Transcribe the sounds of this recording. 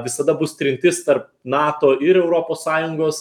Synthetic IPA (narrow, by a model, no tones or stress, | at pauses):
ʋʲɪsɐd̪ɐbʊst̪ʲɾʲɪnʲt̪ʲɪst̪ɐrp̚nɑːt̪oːɪɾɛʊɾoːpoːssɑːjʊŋɡoːs